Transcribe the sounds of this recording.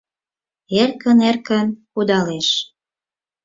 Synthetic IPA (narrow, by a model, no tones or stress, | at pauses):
erkə̆nerkə̆nkud̪ɑleʃ